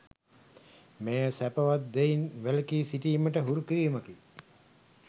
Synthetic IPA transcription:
mejəsæpəʋat̪̚d̪einʋeləkiːsiʈiːməʈəɦuɾukiɾiːməki

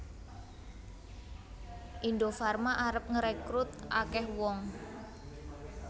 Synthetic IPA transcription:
ʔindofarmaʔaɾəp̚ŋəɾekɾut̪̚ʔa̰kɛhwɔŋ

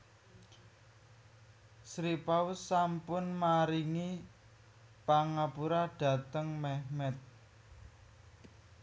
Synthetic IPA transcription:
sɾipaʊsːampʊnmaɾiŋi | paŋapuɾaɖ̥ä̤t̪əŋmɛhmɛt̪̚

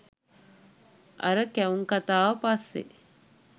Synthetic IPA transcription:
ʔɐ̰ɾəkæuŋkat̪aːʋɐpɐsːḛ

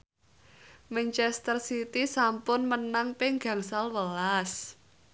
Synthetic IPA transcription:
mɛnt͡ʃɛst̪ərsit̪isampʊnmənaŋpɪŋɡa̤ŋsalwəlas

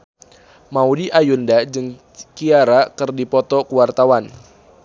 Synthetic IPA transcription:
maudiʔajundad͡ʒɨŋ | kiaɾakɨrdipɔt̪ɔkuwart̪awan

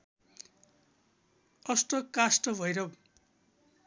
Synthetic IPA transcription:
ʌsʈʌkasʈʌbʱʌjɾʌ

